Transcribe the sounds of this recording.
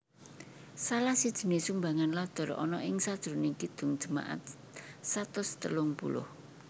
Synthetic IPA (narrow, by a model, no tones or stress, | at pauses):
salahsid̥ʒ̥i̤nesumbaŋanlad̪̥ɔ̤ɾɔ̰nɔʔɪŋsad̥ʒ̥ɾunɪkid̪̥ʊ̤ŋd̥ʒ̥ə̤ma̰ʔa̰t̪̚ | sat̪ʊst̪əlʊŋpṵlʊ̰h